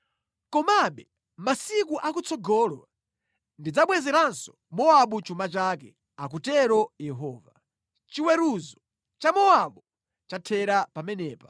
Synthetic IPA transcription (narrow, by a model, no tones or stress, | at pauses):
kɔmaɓɛ | masik̬uʔak̬ut͡sɔɡɔːla | ndid͡zaɓwɛzɛɾansɔ̥ | mɔaɓut͡ʃumat͡ʃakɛ̰ | ak̬utɛɾɔjɛɦɔːva | t͡ʃiwɛɾuzɔ | t͡ʃamɔaɓu | t͡ʃatʰɛɾapamɛnɛːpḁ